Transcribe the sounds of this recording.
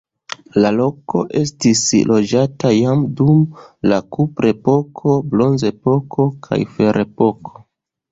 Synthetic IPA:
lalo̞ko̞̰ʔe̞stislo̞d͡ʒatajamdumlakupɾe̞po̞kʰo̞blo̞nze̞po̞kʰo̞kʰa̰jfeɾʔe̞po̞kʰo̥

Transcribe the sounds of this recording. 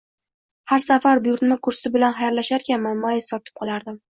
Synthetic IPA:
haɾsafaɾbʊjʊɾt̪makʰʊɾsɪbɪlanɦajaɾlaʃaɾkʲanmanmajɪsɒt̪ʰɪ̥p̚qʰɒlˠaɾd̪ɪm

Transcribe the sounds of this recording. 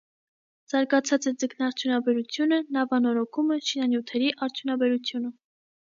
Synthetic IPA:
z̥ɑɾɡɑt͡sʰɑt͡sɛd͡zəknɑɾt͡sʰjunɑbɛɾut͡sʰjunənɑvɑnɔɾɔkʰumɛʃinɑnjut̪ʰɛɾiʔɑɾt͡sʰjunɑbɛɾut͡sʰjunə

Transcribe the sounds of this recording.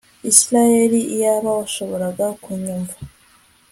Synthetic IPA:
isiɾajeɾiijaβawaʃo̞βo̞ɾaɡakuɲumva

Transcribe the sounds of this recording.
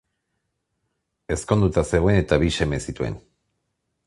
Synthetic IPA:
e̞sko̞nd̪ut̪ase̞ɣoene̞t̪aβiʃe̞me̞sit̪ue̞̰n

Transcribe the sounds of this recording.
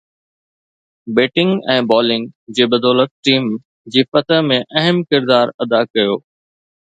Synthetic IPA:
beːʈɪ̃ŋɡɛ̃ːbɔːlɪ̃ŋɡd͡ʑeːbɐd̪ɔːlət̪̚ʈiːm | d͡ʑiːfɐt̪ʰəɦmẽʔɐɦɪmkɪɾd̪aːɾɐd̪akɐjoː

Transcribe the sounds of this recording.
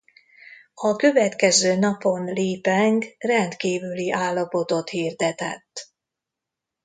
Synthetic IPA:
ɒkø̞vɛt̪kɛzøːnɒpo̞nleːpɛŋkrɛnt̪kiːvyliʔaːlːɒpo̞t̪o̞t̪hiːrd̪ɛt̪ɛ̰t̪ː

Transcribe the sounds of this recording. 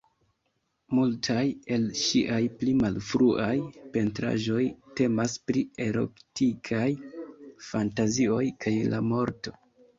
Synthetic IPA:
multʰaje̞lʃiʔajplimalfɾuʔajpe̞ntɾa̰ʒo̞jte̞maspɾie̞ɾo̞̰ktikʰajfantazio̞jkʰajla̰mo̞ɾto̞

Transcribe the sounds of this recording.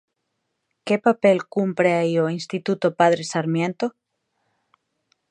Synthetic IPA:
kepapelkumpɾeaioinst̪it̪ut̪opaðɾesaɾmjẽnt̪o

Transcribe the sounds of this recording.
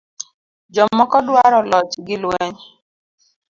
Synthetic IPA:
d͡ʒɔmɔkɔdwaɾɔlɔt͡ʃɡɪlwɛɲ

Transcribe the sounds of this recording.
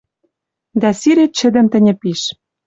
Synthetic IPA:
d̪æsiɾet͡ɕɘ̆d̪ɘ̆mt̪ɘ̆nʲɘ̆piʃ

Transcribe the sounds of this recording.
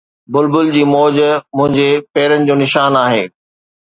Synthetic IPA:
bʊlbʊld͡ʑiːmɔːd͡ʑmʊ̃ɦɪ̃ɲd͡ʑepɛːɾənɪ̆d͡ʑoːnɪʃaːnaːɦḛː

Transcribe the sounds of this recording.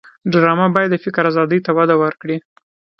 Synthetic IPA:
ɖɾɑmabɑjad̪fɪkɾazɑd̪əjt̪awad̪awəɾkɽi

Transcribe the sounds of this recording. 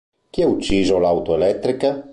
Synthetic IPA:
k̟iaut͡ʃːizolawt̪oelɛk̚t̪ːɾika

